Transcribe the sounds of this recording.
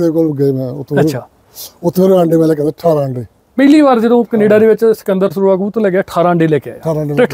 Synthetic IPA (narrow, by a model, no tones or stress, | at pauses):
d̪eːkoːləɡəeːmɛ̃ːʊt̪ʰːəːʃʰaː | ʊt̪ʰːeːɾãːɳɖeːmɛːleːkɛ̃ʈʰaːɾaːɳɖeː | pəliːʋaːɾd͡ʒəd̪õːkəneːɖaːd̪eːʋɪt͡ʃsə̥kənd̪əɾsəɾuːaːkuːt̪õːlɛːkjaːʈʰaːɾaːɳɖeːlɛːkea̰ːjaːaːɾaːɳɖeːe